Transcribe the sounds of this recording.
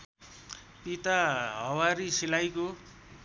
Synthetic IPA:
pit̪aɦʌwaɾisilajko

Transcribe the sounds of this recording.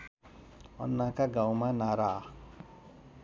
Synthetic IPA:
ɔ̰nːakaɡãwmãnaɾa

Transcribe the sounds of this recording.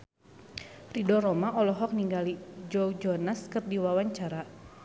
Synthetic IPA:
ridɔɾɔmaʔɔlɔɦɔk̚niŋɡalid͡ʒɔwd͡ʒɔnaskɨrdiwawaɲt͡ʃaɾa

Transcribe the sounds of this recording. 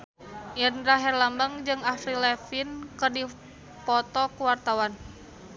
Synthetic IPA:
jərnɾaɦɛrlambaŋd͡ʒɨŋafɾilɛfinkɨrdi | pɔt̪ɔkuwart̪awan

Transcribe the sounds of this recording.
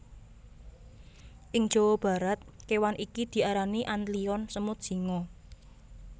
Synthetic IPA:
ʔɪŋd̥ʒ̥o̤wɔb̥ä̤ɾat̪̚kewanʔikid̪̥i̤ʔaɾaniʔanliɔnsəmʊt̪̚ʒ̥i̤ŋɔ

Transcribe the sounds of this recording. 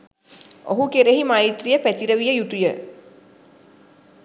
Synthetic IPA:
o̰ɦukeɾeɦimajit̪rijəpæt̪iɾəʋijəjut̪ujə

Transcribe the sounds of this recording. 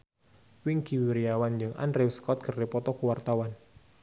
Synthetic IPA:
wɪŋkiwiɾiawand͡ʒɨŋa̰nɾewskɔt̪̚kʰərːepɔt̪ɔkuwart̪awan

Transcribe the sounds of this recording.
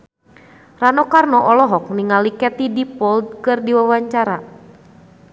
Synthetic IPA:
ranɔkarnɔʔɔlɔɦɔk̚niŋalikɛt̪idipɔld̚kɨrdiwawaɲt͡ʃaɾa

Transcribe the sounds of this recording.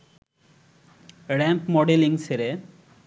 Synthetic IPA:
ɽɛmpmɔɖeliŋseɾe

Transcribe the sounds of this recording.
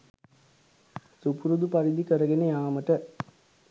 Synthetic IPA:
supuɾud̪upɐɾid̪ikəɾɐɡenejaːməʈə

